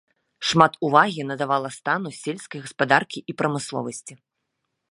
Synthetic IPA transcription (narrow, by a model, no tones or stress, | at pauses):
ʂmat̪uvaɣʲinɐd̪avalˠɐst̪anusʲelʲskɐjɣɐspad̪arkʲiʔipɾɐmɨslˠɔ̰vɐsʲt͡sʲi